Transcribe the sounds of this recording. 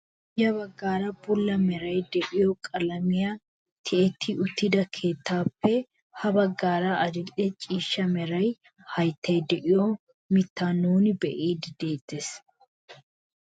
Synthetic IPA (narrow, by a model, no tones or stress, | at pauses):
jɐbɐɡːaːɾɐbʊlːɐmɛɾɐjd̪ɛʔɪjɔkʼɐlɐmɪja | t̪ʰɪɛt̪ʰːɪʔʊt̪ːɪd̪ɐkʰe̞ːt̪ːaːpːɛ | hɐbɐɡːaːɾɐʔɐd̪ɪlʼɛt͡ʃʼiːʃːɐmɛɾɐj | hɐjt̪ːɐjd̪ɛʔɪjɔ | mɪt̪ːaːnuːnɪbɛʔiːd̪ɪd̪e̞ːt̪ːes